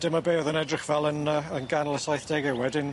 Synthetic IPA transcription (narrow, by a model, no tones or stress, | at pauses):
d̥ɪməbeːɔðənɛdrɪχvɛlˠənəənɡanlˠəsajθd̥eɡɛwɛdɪn